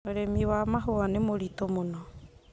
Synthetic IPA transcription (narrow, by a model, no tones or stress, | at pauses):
oɾemiwamaɦoanemoɾitomonɔ